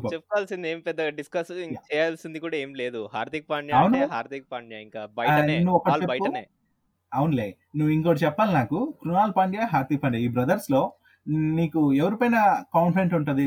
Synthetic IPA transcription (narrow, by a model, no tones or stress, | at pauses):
pɐt͡ʃepːkɔaːlsind̪eːmipɛd̪ːɐɖiskɐsat͡ʃɛːjaːlsind̪ikuːɽaːeːmileːd̪uhaːɾt̪ik̚paːɳjaɐwunuɦaːɾt̪ik̚paɳɖjaiŋkaːbɐjɐinːuɔkɐʈːleɐjpuɐe | ɐwunleː | nuʋːuiŋkoːɽɐt͡ʃɛpːaːlinaːkukɾunaːlpaːɳɖjaɦaːɾt̪ik̚pɐɳɖiaiːbɾɐd̪ɐɾslo̞ː | niːkuɛʋɐɾipɐjnɐkaːnpɾeɳʈuɳʈund̪i